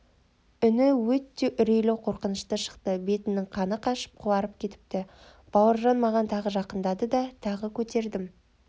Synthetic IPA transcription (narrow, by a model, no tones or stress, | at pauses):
ʏnɪwɵt̪ːe̞ʔʏɾejlewqʰo̞ɾqənəʃt̪əʃə̥qt̪əbe̞t̪ɪnːɪŋqʰɑnəqʰɑʃə̥p̚qʰʊwɑɾəpkʲʰe̞t̪ɪ̥p̚t̪ɪ | b̥ɑwəɾʒɑnmɑʁɑnt̪ʰɑʁəʒɑqənd̪ɑd̪əd̪ɑt̪ʰɑʁəkʲʰɵt̪e̞ɾd̪ɪm